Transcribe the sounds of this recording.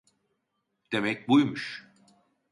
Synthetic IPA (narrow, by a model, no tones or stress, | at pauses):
d̪̥e̞mɛc̚ʲbujmuʃ